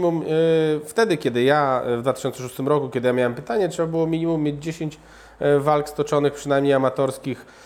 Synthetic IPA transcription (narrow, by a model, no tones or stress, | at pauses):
mumft̪ɛd̪ɘkʲɛd̪ɘjavd̪vat̪ɘ̥ɕɔntsɛʂu̥st̪ɘmɾɔkukʲɛd̪ɘjamʲjawɛmpɘt̪aɲɛtʂɛbabɘwɔmʲiɲimumːjed͡ʑd͡ʑeɕeɲt͡ɕ | valkst̪ɔt͡ʂɔnɘxpʂɘnajmɲejamat̪ɔɾskʲix